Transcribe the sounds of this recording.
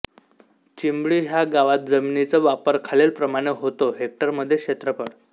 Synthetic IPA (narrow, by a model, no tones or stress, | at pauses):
t͡ɕimbɭiːɦjaɡaʋat̪̚d͡zəminit͡səʋapəɾkʰalelpɾəmaɽ̃eɦot̪oɦek̚ʈəɾməd̪ʱːjekɕet̪ɾəpəɽ